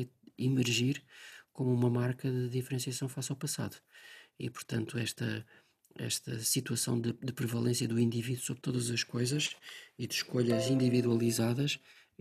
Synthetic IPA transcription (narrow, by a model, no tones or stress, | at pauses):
imɨɾʒiɾkomuumɐmaɾkɐðɨðifɾẽsiɐsɐ̃w̃fasawpɐsa̰ðu̥ḭpuɾt̪ɐ̃nt̪uɛʃt̪ɐ | ɛ̰ʃt̪ɐsit̪wɐsɐ̃w̃d̪ɨd̪ɨpɾɨvɐlˠẽsjɐðuĩnd̪iviðusoβɾt̪oðɐzɐʃkojzɐʃiðɨʃkoʎɐzĩnd̪iviðwɐlˠizaðɐʃ